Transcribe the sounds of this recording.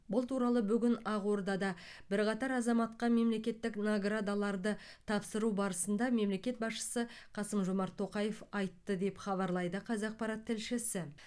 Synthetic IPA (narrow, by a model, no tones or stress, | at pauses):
bʊlˠt̪ʰuɾɑlˠəbʏɡʲɪnɑʁwo̞ɾd̪ɑd̪ɑ | bɪɾqɑt̪ɑɾɑzɑmɑt̪qɑme̞mle̞kʲe̞t̪ːɪknoɡrad̪alˠɑɾd̪ə | t̪ʰɑpsəɾubɑɾəsənd̪ɑme̞mle̞kʲe̞t̪̚bɑsʃə̥sə | qʰɑsəmʒomɑɾt̪ʰːo̞qɑje̞fɑjt̪ːəd̪e̞pχɑβɑɾlˠɑjd̪əqʰɑzɑq̚pɑɾɑt̪ʰːɪlʃɪsɪ